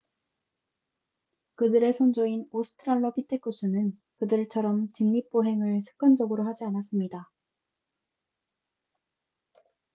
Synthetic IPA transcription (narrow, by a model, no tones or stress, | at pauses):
kɯdɯɾe̞sʰond͡ʑoinosʰɯ̥tʰɯɾaɭːʌpitʰek͈ʰus͈ʰunɯn | kɯdɯɭt͡ɕʰʌɾʌmt͡ɕɯŋɲip͈oɦe̞ŋɯɭsʰɯ̥k͈ʌnd͡ʑʌɡɯɾohad͡ʑianas̬͈ɯmɲida